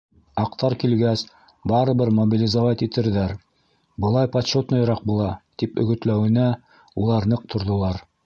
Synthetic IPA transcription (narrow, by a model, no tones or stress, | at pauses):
ɑqt̪ɑɾkilɡæs | bɑɾɤ̆βɘɾmɐbʲilʲɪzovɑt̪it̪ɘ̆ɾðæɾ | bɤ̆lˠɑjpɐt̪ɕot̪nŏjɾɑq̚bulˠɑt̪ipɵ̰̆ɡɵ̆t̪læwɘ̆næ | ulˠɑɾnɤq̚t̪ʰŏɾðŏlˠɑɾ